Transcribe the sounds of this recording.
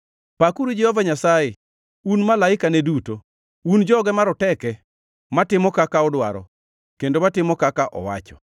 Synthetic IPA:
pakuɾud͡ʒɛhɔvaɲasajɛ | unmalaɪkaneduto | und͡ʒɔɡɛmaɾɔtɛkɛ | matɪmɔkakaɔdwa̰ɾɔ̰ | kendomatɪmɔkakaʔɔ̰wa̰t͡ʃɔ̥

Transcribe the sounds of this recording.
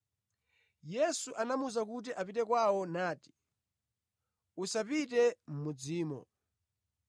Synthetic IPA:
jɛsuʔanamuzak̬ut̬iʔapitɛkwawɔnaːti̥ | usapit̬ɛm̩mud͡ziːmɔ̰

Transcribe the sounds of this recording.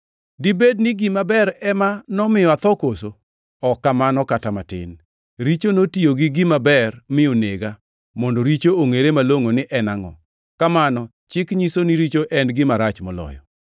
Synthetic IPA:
dibed̚nɪɡimabɛɾɛmanɔmɪjɔat̪ɔkoso | ɔkːamanɔkatamatɪ̰n | ɾit͡ʃonotioɡɪɡɪmabɛrmɪoneɡa | mɔndɔɾit͡ʃooŋeɾemaloŋonɪʔɛnaŋɔ̰ | kamanɔ | t͡ʃɪkɲisoniɾit͡ʃoʔɛnɡɪmaɾat͡ʃmɔlɔ̰jɔ̰

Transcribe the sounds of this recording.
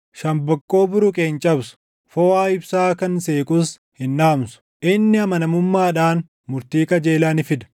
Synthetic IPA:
ʃɐmbɐkʼːo̞ːbʊɾʊkʼeːnt͡ʃʼɐbsʊ̥ | foːaːɪbsaːkɐnseːkʼʊs | hɪnːaːmsʊ̥ | ʔɪnːɪɐmɐnɐmʊmːaːᶑaːn | mʊɾt̪iːkɐd͡ʒeːlaːnɪfɪd̪ɐ̥

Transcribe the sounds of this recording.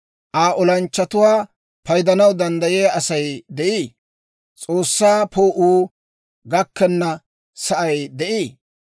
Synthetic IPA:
ʔaːʔɔlɐnt͡ʃːɐt̪ʊwaː | pɐjd̪ɐnɐwd̪ɐnd̪ɐjeːʔɐsɐjd̪ɛʔiː | t͡sʼoːsːaːpoːʔuː | ɡɐkːɛnːɐ | sɐʔɐjd̪ɛʔiː

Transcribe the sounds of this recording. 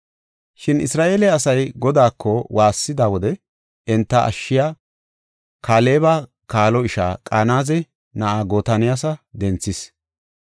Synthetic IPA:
ʃɪnɪ̰sɾaːʔeːlɛɐsɐjɡɔd̪aːkʰːɔwʔaːsːɪd̪aːwɔd̪ɛ | ɪnt̪ːɐʔɐ̰ʃːɪjaː | kaːle̞ːba | kaːlɔɪʃa̰ːkʼaːnaːzɛ | nɐʔaːɡoːt̪ɐnɪjas̬ɐd̪ɛnt͡sːɪs

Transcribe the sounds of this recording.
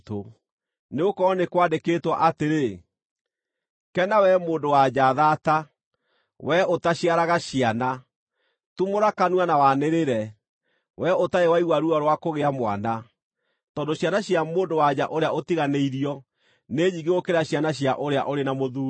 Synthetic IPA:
to | neokɔnekwadeketwɔʔateɾe | kɛnawɛmoːndowad͡ʑaðaːta | wɛotaɕiaɾaɣaɕiana | tumoɾakanwanawaneɾeɾɛ | wʔɛotaewaiɣwaɾuɔɾwakoɣeamwa̰na | tɔːndoɕjanaɕjamoːndowad͡ʑa̰ʔoɾeaotiɣaneiɾiɔ | neɲiɣeɣokeɾaɕianaɕ̬jaʔoɾea̰ʔoɾenamoðuː

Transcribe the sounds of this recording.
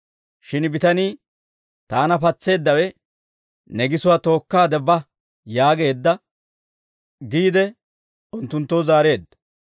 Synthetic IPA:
ʃɪnbɪt̪ɐniː | t̪aːnɐpɐt͡sːe̞ːd̪ːɐwɛ | nɛɡɪsʊwat̪o̞ːkːaːd̪ɛbɐ | jaːɡe̞ːd̪ːɐ | ɡiːd̪ɛ | ʊnt̪ːʊnt̪ːozaːɾe̞ːd̪ːɐ̥

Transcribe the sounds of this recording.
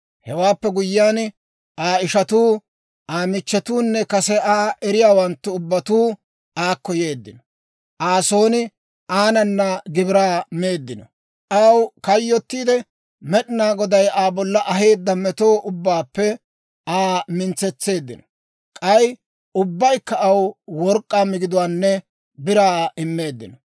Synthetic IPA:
hɛwaːpːɛɡʊjːaːn | ʔaːɪʃɐt̪uː | ʔaːmɪt͡ʃːɛt̪uːnːɛkɐsɛʔaːʔɛɾɪjaːwɐnt̪ːʊʊbːɐt̪uː | aːkːɔje̞ːd̪ːɪnɔ | ʔaːso̞ːnɪ | ʔaːnɐnːɐɡɪbɪɾaːmeːd̪ːɪnɔ | ʔɐwkɐjːɔt̪ːiːd̪ɛ | mɛɗɪnaːɡɔd̪ɐjaːbɔlːɐʔɐɦe̞ːd̪ːɐmɛt̪oːʔʊbːaːpːɛ | aːmɪnt͡sːɛt͡sːe̞ːd̪ːɪnɔ | kʼɐj | ʊbːɐjkːɐɐwwɔɾkʼːaːmɪɡɪd̪ʊwaːnːɛ | bɪɾaːɪmːe̞ːd̪ːɪnɔ

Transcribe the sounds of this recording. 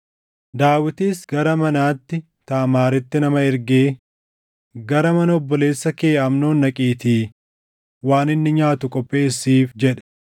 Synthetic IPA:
d̪aːwɪt̪iːsɡɐɾɐmɐnaːt̪ːɪ | t̪aːmaːɾɪt̪ːɪnɐmɐɪɾɡeː | ɡɐɾɐmɐnɐɔbːɔle̞ːsːɐke̞ːʔɐmno̞ːnːɐkʼiːt̪iː | waːnɪnːɪɲaːt̪ʊkʼɔpʼːe̞ːsːiːfd͡ʒɛᶑɛ̥

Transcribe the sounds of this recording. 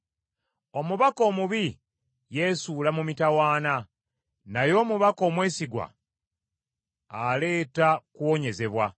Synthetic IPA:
o̞muβako̞ːmuβi | je̞suːlamumitawaːna | najo̞ːmuβako̞ːmwe̞ːsiɡwa̰ | le̞ːtakuwo̞ɲe̞ze̞βwa

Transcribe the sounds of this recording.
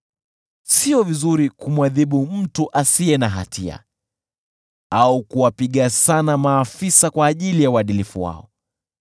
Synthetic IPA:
siɔvizuɾikumwaðiɓum̩tuʔasiɛnaɦa̰tʰia̰ | aukuwapiɠasanamaːfisakwaːʄilijauaɗilifṵwa̰ɔ̰

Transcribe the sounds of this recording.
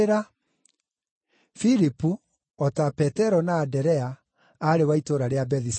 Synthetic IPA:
ɾa | fiɾipu | ɔtapɛtɛɾɔnaːdɛɾɛa | aɾewaitoɾaɾeabɛðis

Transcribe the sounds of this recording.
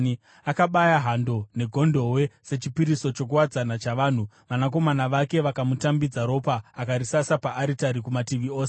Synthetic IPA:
akaɓajaɦando̞ne̞ɡʱo̞ndo̞we̞se̞t͡ʃipiɾiso̞t͡ʃo̞k̬uwad͡zanat͡ʃaʋaːn̤u | ʋanak̬o̞manaʋake̞ʋakamutambid͡zaɾo̞paːkaɾisasapaʔːɾitaɾikumatiʋio̞ːse

